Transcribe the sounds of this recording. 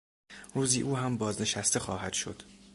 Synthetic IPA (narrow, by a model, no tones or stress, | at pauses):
ɾuːziʔuːɦæmbɒːzne̞ʃæst̪e̞xɒːhæd̪̥ʃo̞̰d̪̥